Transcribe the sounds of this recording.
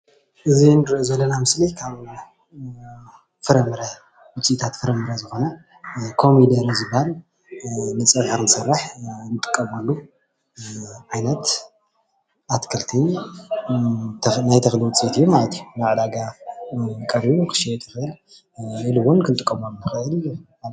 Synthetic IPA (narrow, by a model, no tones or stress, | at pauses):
ʔɨzinɨɾozɐlːɐnamɨslikʰaβ | fɨɾɐmɨɾɐ | wʊt͡sʼiit̪ʰat̪fɨɾɐmɨɾɐzɨxo̞nɐ | kʰo̞mid̪ɐɾzɨbhal | nɨt͡sʼɐfaɾnɨsɐrːaħnɨt̪ʼɨ̥kʼːɐmolːu | ʕajnɐt̪ | ʔat̪kʰɐlt̪ʰi | najt̪ʰɐxliwʊt͡sʼit̪ʰijːumalɐt̪ʰijunaʕd̪aɡa | kʼɐɾiukʰɨ̥ʃiɛt̪ʰɐxɨl | ɨlɨwʊnkʰɨnt̪ʼɨkʼːɐmolnɨxɐʔɨl